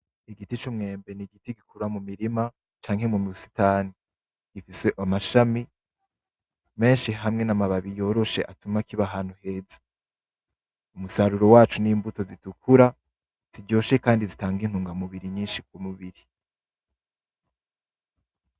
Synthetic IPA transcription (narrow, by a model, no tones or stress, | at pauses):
iɡitit͡ʃumŋe̞ːmbe̞niɡitiɡikuɾamumiɾima | t͡ʃaːŋhe̞mumusi̥taːni | ɡ̥ifise̞ʔamaʃami | me̞ːnʃiɦamŋe̞namaβaβijo̞ːɾo̞ʃe̞̰ʔatumakiβaɦaːn̥huhe̞ːzḁ | umusaɾuɾo̞waːt͡ʃuniːmbuto̞zitukʰuɾa | z̥iɟo̞ːʃe̞kaːndizitaːŋɡin̥huːŋɡamuβiɾiɲiːnʃik̚umuβiɾi